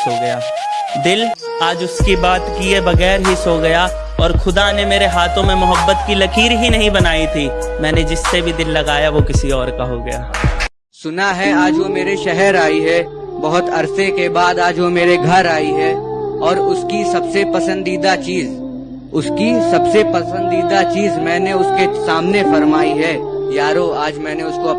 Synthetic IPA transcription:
oɡɐjaː | d̪ɪl | aːd͡ʒʊskibaːt̪kiebɐɣɛːɾɦisoɡɐja | ɔːɾxʊd̪anemeːɾeɦaːt̪ʰõmẽmʊɦəbːət̪kilɐkʰiːɾɦinɐɦĩbɐnaːit̪ʰiː | mɛ̃ːned͡ʒɪsːebʱid̪ɪlːɐɡaːjaʋokɪsiɔːɾkaɦoɡɐ̰ja̰ː | sʊnaɦɛaːd͡ʒʋomeːɾeʃɛɦɛɾaːiɦɛ | bɐɦʊt̪ɐɾsekebaːd̪aːd͡ʒʋomeːɾeɡʱɐɾaːiɦɛɔːɾʊskisɐbsepɐsə̃nd̪iːd̪at͡ʃiːz | ʊskisɐbsepɐsə̃nd̪iːd̪at͡ʃiːzmɛ̃ːneʊskesaːmnefɐɾmaːiɦɛjaːɾoaːd͡ʒmɛ̃ːneʊskoɐ

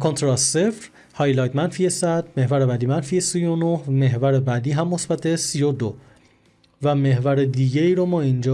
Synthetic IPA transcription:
kʰont̪ʰɾɒsːefɾ | hɒjlɒːjt̪mænfiesæd̪me̞hvæɾebæd̪iːmænfiesijonohme̞ɦvæɾebæd̪iːɦæmːo̞sbæt̪ʰe̞sijod̪o | væme̞hvæɾed̪iːɟeiːɾomɒːind͡ʒɒː

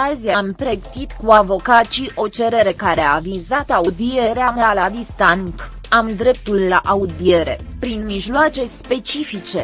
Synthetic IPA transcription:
aziamt̪ɾe̞kt̪it̪kuavo̞kat̪ʃiʔo̞t͡ʃe̞ɾe̞ɾe̞kaɾeaːvizat̪aud̪ie̞ɾeamalad̪ist̪aŋk | amd̪ɾe̞p̚t̪ulːaʔaud̪ie̞ɾe̞̰pɾinmiʒloat͡ʃe̞spe̞t͡ʃifit͡ʃe̞

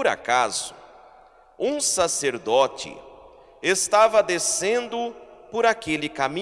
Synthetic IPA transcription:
ʊɾa̰kaz̥ʊ | ũsaseɾd̪ɔt͡ʃɪ̰ | est̪avɐd̪esẽnd̪ʊpoɾakelɪkamĩ

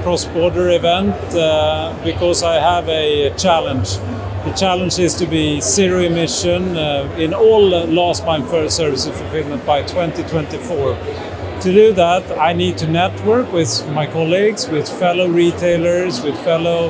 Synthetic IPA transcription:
kʰɹ̥ɔsb̥ɔɹɾə˞ɪvɛ̃nt | b̥ɨkʰɔzaɪəvɨt͡ʃʰælˠə̃nd͡ʒ | ðɨt͡ʃʰælˠə̃nd͡ʒɪz̥tɨbisɪɹiɨmɪʃɨ̃nɪ̃nɔlˠlɔsbãɪ̃nfə˞sɜ˞vɨsɨ̥fəl̩ˠfɪlˠmə̃ntb̥aɪtʰw̥ɛ̃ntitʰw̥ɛ̃ntifɔɹ | tʰɨdɨðæɾaɪnid̚tʰɨnɛt̚wɜ˞kwɪð̥maɪkʰɑlˠiɡz̥wɪð̥fɛloʊɹitʰeɪlˠə˞zwɪð̥fɛloʊ

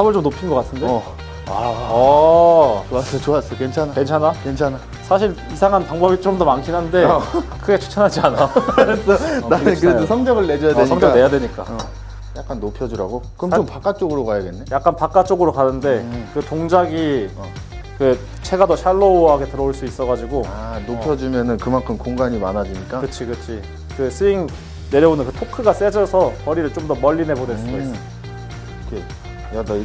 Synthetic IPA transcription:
sʰabɯɭt͡ɕomnopʰinɡʌk͈atʰɯnde | a | t͡ɕoasʌoas͈ʌkent͡ɕʰanakent͡ɕʰanakent͡ɕʰana | sʰaɕʰiɭ | isʰaŋɦanpaŋbʌbit͡ɕmtʌmankʰinɦande̞kʰɯɡet͡ɕʰu̥t͡ɕʰanɦad͡ʑianaɯɾesʰʌnaɯnkɯɾeosʰʌŋd͡ʑʌɡɯɭne̞d͡ʑʌjadeɲiŋd͡ʑʌde̞jadwe̞ɲik͈a̰ | jak͈anːopʰjʌd͡ʑiɾa̰ɡokɯʌmt͡ɕompak͈at͡ɕ͈oɡɯɾokajadenːejak̚k͈anpak͈at͡ɕ͈oɡɯɾokanɯnde̞kɯtoŋd͡ʑaɡi | kɯ | t͡ɕʰe̞ɡadoɕʰaɭːoɦaɡe̞tɯɾʌoɭs͈uis͈ʌɣad͡ʑiɡoanopʰjʌd͡ʑimjʌnɯnkɯmankʰɯmkoŋɡaɲimanad͡ʑiɲik͈akɯt͡ɕʰikɯt͡ɕʰi | kɯsʰɯiŋ | ne̞ɾjʌbonɯnkɯtʰokʰɯɡas͈e̞d͡ʑʌsʰʌkʌɾiɾɯɭt͡ɕ͈omdʌmʌʎːine̞bodeɭs͈uois͈ʌ | kʰe | jadʌ

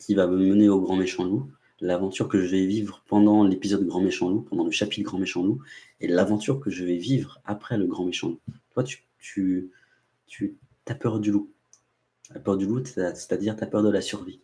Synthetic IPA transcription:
kʲivaməməneoɡʁɑ̃meʃɑ̃d̪əlu | lavɑ̃t̪yʁkəʒəvɛvivʁəpɑ̃d̪ɑ̃lepizɔd̪ɡʁɑ̃meʃɑ̃d̪əlupɑ̃d̪ɑ̃ləʃapit̪ɡʁɑ̃meʃɑ̃d̪lu | elavɑ̃t̪yʁkəʒəvɛvivʁapχɛləɡʁɑ̃meʃɑ̃d̪lut̪wat̪y̥ | t̪ʰy | t̪ʰy | t̪apœʁd̪ylu | lapœʁd̪yluase̥t̪ad̪iʁt̪apœʁd̪əlasyʁvi

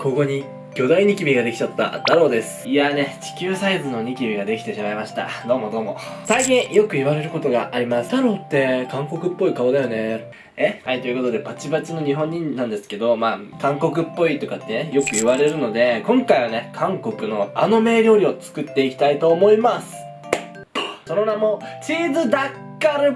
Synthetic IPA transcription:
ko̞ɡo̞ɲ̟i | ɡʲo̞d̪aiɲ̟ikʲibʲiɡad̪e̞kʲi̥t͡ɕat̪ːa̰t̪ːaɾo̞ːd̪e̞sɨ̥iane̞t͡ɕi̥kʲɨːsaizɨno̞ɲ̟ikʲibʲiɡad̪e̞kʲi̥t̪e̞ɕimaimaɕi̥t̪a̰d̪o̞ːmo̞d̪o̞ːmo̞saikʲĩjo̞kɯ̟iβaɾe̞ɾɯ̟ko̞t̪o̞ɡaʔaɾʲimasɨ̥t̪aɾo̞ːt̪ːe̞kãŋko̞kɯ̟pːo̞ikaod̪ajo̞ne̞ | ehait̪o̞jɯ̟ko̞t̪o̞d̪e̞pat͡ɕibat͡ɕino̞ɲ̟iɦõ̞ɲ̟ːĩnnːãnd̪e̞sɨ̥ke̞d̪o̞maː | kãŋko̞k̬ɯ̟pːo̞it̪o̞kat̪ːe̞nejo̞kɯ̟iβaɾe̞ɾɯ̟no̞d̪e̞kõ̞ŋkaiβ̞ane̞kʰãŋko̞kɯ̟no̞a̰no̞me̞ːɾʲo̞ːɾʲio̞t͡sɨ̥kɯt̪ːe̞ikʲi̥t̪ait̪o̞ːmo̞imasɨ̥ | so̞no̞namo̞t͡ɕiːzɨd̪akːaɾɯ̟

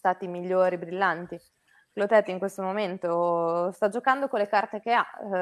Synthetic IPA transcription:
st̪aːt̪imiʎːoːɾibɾilːant̪i | klot̪ɛt̪ːiŋkwest̪omoment̪ost̪ad͡ʒokand̪okolːekart̪ek̟ea

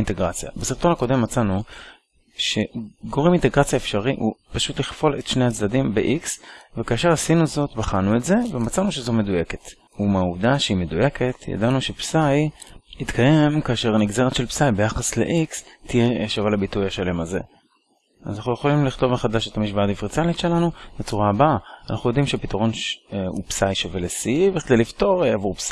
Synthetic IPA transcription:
inteɡʁat͡sja̰basiʁt̪o̞nako̞de̞mːat͡sanu | ʃe̞ɡo̞ʁiminte̞ɡʁat͡sjaefʃaʁiʔupaʃutliχfo̞le̞t̪ʃneat͡sdadimbḛʔiksvekaːʃeʁasinuzo̞tbaχanuetze̞vemat͡sanuʃezo̞me̞duje̞ke̞t | umauvdaʃeime̞duje̞kʰe̞tja̰danuʃe̞psajit̪kʰaje̞mkaːʃe̞ʁniɡze̞ʁetʃelpsajbe̞jaχaslḛʔikstijeʃavalabitujaʃale̞maze̞̰ | azanaχujeχo̞limliχt̪o̞vmeχadaʃet̪amiʃbaadifʁit͡salitʃe̞lanubet͡suʁaːbaaanʔaχujo̞dimʃeapitaʁo̞nʃṵpsajʃave̞lesiiviχd̪ejlifto̞ʁavuʁps

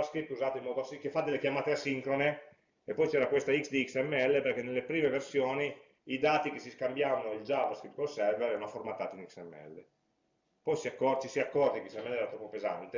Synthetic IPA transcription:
askɾip̚t̪uzaːt̪oimɔd̪oasikefad̪elːekjamaːt̪easiŋkɾone | epːɔjt͡ʃɛːɾakwest̪aiksd̪iːksɛmːeɛlːeperkenelːepɾiːmeversjoːniː | d̪aːt̪ik̟esiskambjaːvanoild͡ʒavaskɾip̚t̪̚kolsɛrveɾɛːɾanoaformat̪ːaːt̪iniksɛmːḛɛ̰lːe | pɔjsiakːɔrt͡ʃisiakːɔrt̪ikisɛmːɛlːɛːɾat̪ɾɔpːopeza̰nt̪e

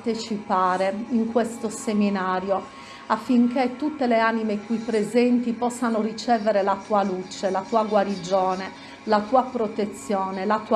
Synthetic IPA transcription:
t̪et͡ʃipaːɾeiŋkwest̪oseminaːɾjo | afːiŋket̪ːut̪ːeleaːnimekwipːɾezɛnt̪ipɔsːanorit͡ʃɛːveɾelat̪uːalut͡ʃelat̪uːaɡwaɾid͡ʒɔːne | lat̪uːapɾot̪et̪sːjɔːnelat̪uː

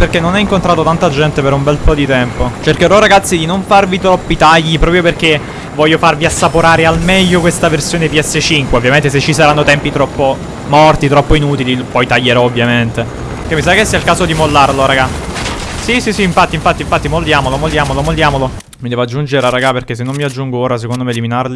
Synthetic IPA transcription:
perkenːonɛiŋkont̪ɾaːt̪ot̪ant̪ad͡ʒɛnt̪epeɾumbɛlpɔd̪it̪ɛmpot͡ʃerkeɾɔɾaɡat̪sːid̪inoɱfarvit̪ɾɔpːit̪aʎːipɾɔːpɾjoperke | vɔʎːofarviasːapoɾaːɾealmɛʎːokwest̪aversjoːnepiɛsːet͡ʃiŋkweovjament̪es̬et͡ʃːisaɾanːot̪ɛmpit̪ɾɔpːo | mɔrt̪it̪ɾɔpːoinut̪ililpɔjt̪aʎːeɾɔovːjament̪e | kemːisakesːiailkaːzod̪imolːarloɾaɡa | sisisiːɱfat̪ːiɱfat̪ːiɱfat̪ːimold̪jaːmolomolːjaːmolomolːjaːmolo | mid̪ɛːvoad͡ʒːund͡ʒeɾaɾaɡaperkes̬enːomːiad͡ʒːuŋɡooːɾas̬ekond̪omeːliminarli

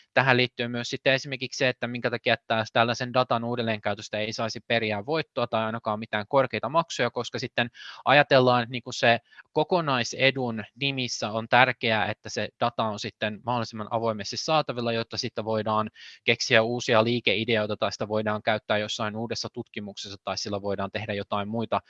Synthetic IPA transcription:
t̪æɦæliːt̪ːyːmyøssit̪ːeesimerkiksseet̪ːæmiŋkæt̪ɑkiæet̪ːæt̪ælːæsendɑt̪ɑnuːdelːeːŋkæyt̪øst̪æeisɑisiperiæːʋʋo̞it̪ːoɑt̪ɑjɑinɑkɑːmit̪æːŋkorkeijt̪ɑmɑksojɑko̞skɑsit̪ːenʔɑjɑt̪elːɑːnet̪niːŋkussekokonɑisedunnimisːæont̪ærkeæḛt̪ːæsed̥ɑt̪ɑonsit̪ːenmɑholisimːɑnʔɑ̰ʋo̞imest̪isːɑːt̪ɑʋilːɑjot̪ːɑsit̪ːæʋoidɑːnkeksiæuːsiɑliːkeʔideojt̪ɑt̪ɑisi̥t̪æʋoidɑːŋkæyt̪ːæːjosːɑinuːdesːɑt̪ut̪kimuksesːɑt̪ɑissilːæʋo̞idɑːnt̪ehdæjot̪ɑimmuit̪ɑ

